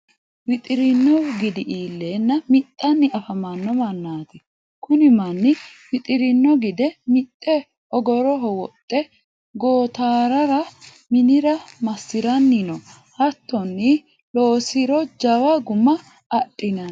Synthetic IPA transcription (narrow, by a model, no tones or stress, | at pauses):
wɪt̪ʼɪɾɪnːɔɡɪd̪ɪʔiːlːeːnːɐmɪt̪ʼːɐnːɪʔɐfɐmɐnːɔmɐnːaːt̪ɪ | kʊnɪmɐnːɪwɪt̪ʼɪɾɪnːɔɡɪd̪ɛmɪt̪ʼːɛ | ɔɡɔɾɔɦɔwɔt̪ʼːɛ | ɡoːt̪aːɾɐɾɐ | mɪnɪɾɐmɐsːɪɾɐnːɪnɔ | hɐt̪ːɔnːɪ | loːsɪɾɔd͡ʒɐwɐɡʊmːɐː | ɗʼɪnɐn